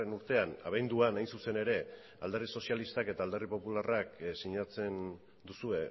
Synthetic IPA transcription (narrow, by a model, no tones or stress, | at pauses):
enuɾt̪e̞ana̰βajnd̪uanajnsuse̞ne̞ɾe̞ | ald̪eriso̞sijalist̪ake̞t̪aːld̪eripo̞pularaksiɲat͡se̞n | d̪usue̞